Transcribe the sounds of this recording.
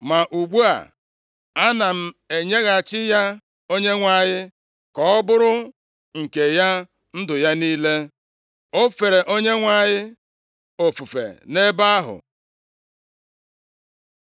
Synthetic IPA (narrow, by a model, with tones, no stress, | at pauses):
ma˨ʔu˨ɡ͡bu˦a̰˨ | a˦na˨m̩˦e˨ɲe˦ɣa˨t͡ʃɪ˦ja˦ | o˦ɲe˦ŋʷa˨jɪ˦ | kɔ˦bʊ˦ɾʊ˦ | ŋ̩˨ke˨ja˦ | n̩˦dʊ˨ja˦niː˦le˦ | o˦fe˨ɾe˨ʔo˦ɲe˦ŋʷa˨ɲɪ˦ | o˨fu˨fḛ˨ne˦ba˦a˦ɦʊ̰˨